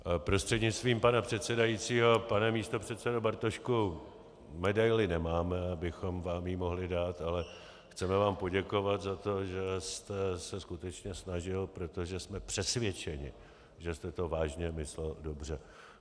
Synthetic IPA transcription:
pɾo̞st̪r̥ɛdɲɪt͡st̪viːmpanapr̝̥ɛt̪sɛdajit͡siːɦo̞panɛmiːst̪o̞pr̝̥ɛt̪sɛdobaɾt̪oʃku | mɛdajlɪnɛmaːmɛabɪxo̞mvaːmjimo̞ɦlɪdaːt̪alɛ | xt͡sɛmɛvaːmpo̞ɟɛko̞vat̪zat̪o̞ʒɛst̪ɛsɛskut̪ɛt͡ʃɲɛsnaʒɪlpɾo̞t̪o̞ʒɛsmɛpr̝̥ɛsvjɛt͡ʃɛɲɪ̰ | ʒɛst̪ɛt̪o̞vaːʒɲɛmɪslɛldo̞br̝ɛ

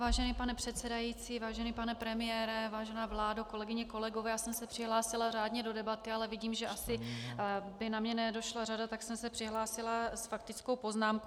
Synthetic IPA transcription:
vaːʒɛniːpanɛpr̥ɛt̪sɛdajiːt͡siːvaːʒɛnipanɛpɾɛmɪjɛːɾɛvaːʒɛnaːvlaːdoko̞lɛɡɪɲɛko̞lɛɡovɛːjaːsɛmsɛpr̥ɪɦlaːsɪlaraːdɲɛdo̞dɛbat̪ɪalɛvɪɟiːmʒɛʔasɪ | bɪnamɲɛnɛdo̞ʃlaradat̪aksɛmsɛpr̝̥ɪɦlaːsɪlasfakt̪ɪt͡skowpo̞znaːmk

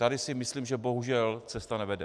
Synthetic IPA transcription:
t̪adɪsɪmɪsliːmʒɛbo̞ɦuʒɛlt͡sɛst̪anɛvɛdɛ

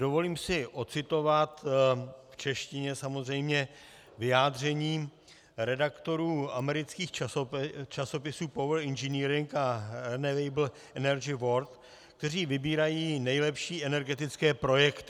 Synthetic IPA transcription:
dovo̞liːmsɪʔo̞t͡sɪt̪o̞vat̪ | ft͡ʃɛʃcɪɲɛsamo̞zrɛjmɲɛ | vɪjaːdr̝ɛɲiː | ɾɛdakt̪o̞ɾuːʔamɛɾɪt͡skiːx | t͡ʃaso̞pɪsuːpovr̩ɪnʒɛniːɾɪŋkaɾɛnɛvejbl̩ | ɛnɛɾd͡ʒɪvo̞ɾt̪ | kt̪ɛr̝iːvɪbiːɾajiːnɛjlɛpʃiːʔɛnɛɾɡɛt̪ɪt͡skɛːpɾo̞jɛkt̪ɪ

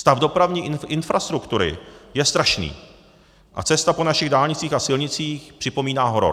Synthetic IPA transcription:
st̪avdo̞pɾavɲiːʔɪnfɾast̪ɾukt̪uɾɪ̰jɛst̪ɾaʃnḭː | ʔa̰t͡sɛst̪apo̞naʃɪɣdaːlɲɪt͡siːxasɪlɲɪt͡siːxpr̥ɪpo̞miːnaːɦo̞ɾo̰

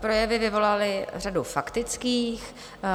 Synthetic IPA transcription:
pɾo̞jɛvɪvɪvo̞lalɪr̝adufakt̪ɪt͡skiːx

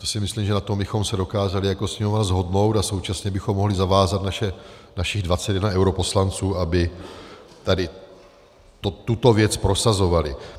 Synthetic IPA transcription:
t̪osɪmɪslimʒɛnat̪o̞mbɪxo̞msɛdo̞kaːzalɪjako̞sɲɪmovnazɦo̞dno̞wt̪aso̞wt͡ʃasɲɛbɪxo̞mːoɦlɪzavaːzat̪̚naʃɛnaʃɪɣdvat͡sɛt̪jɛdnaɛwɾo̞po̞slant͡suːʔabɪ | t̪adɪ | t̪ot̪ːut̪o̞vjɛt͡spɾo̞sazo̞valɪ

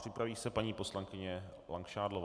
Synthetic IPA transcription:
r̝̥ɪpɾaviːsɛpaɲiːpo̞slaŋkɪɲɛ | laŋkʃaːdlov

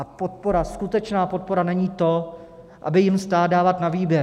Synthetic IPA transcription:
pot̪̚po̞ɾaskut̪ɛt͡ʃnaːpo̞t̪̚po̞ɾanɛɲiːt̪o̞ | ʔa̰bɪjɪmst̪aːdaːvat̪naviːbjɛɾ

